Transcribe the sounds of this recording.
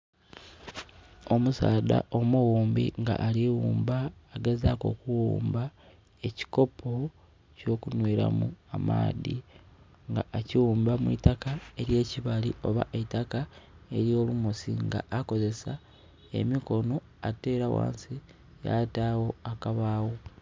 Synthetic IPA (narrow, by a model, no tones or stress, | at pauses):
o̞musaːda̰ʔo̞muɣuːmbḭŋɡa̰ʔːliwuːmbaːɡezako̞̰kuwuːmba | e̞ci̥ko̞pʰo | co̞ːkunweɾa̰muama̰ːði | ŋɡaːciwuːmbamwḭtakae̞ɾje̞ːciβalḭo̞βa̰ʔetakae̞̰ɾio̞lumosiŋɡa̰ʔːko̞ze̞sa | e̞̰miko̞no̞ | ate̞ɾawa̰ːnsi | ja̰taːwo̞akaβaːwo